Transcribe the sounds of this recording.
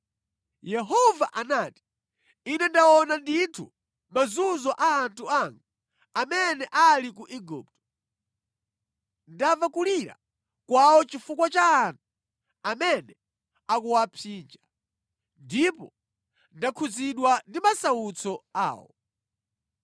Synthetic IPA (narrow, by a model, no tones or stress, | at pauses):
jɛɦɔvaʔanaːti̥ | inɛndawɔnanditʰu | mazuzɔʔaːntʰuaŋɡa | amɛnɛʔalik̬uʔiɡṵːp̚tɔ̥ | ndavakuliɾa̰ | kwaɔt͡ʃifukwat͡ʃaːntʰu | amɛnɛ | akuwapʰiːnd͡ʒa | ndipɔ | ndakʰuziɗwandimasaut͡sʰɔa̰ːwɔ̰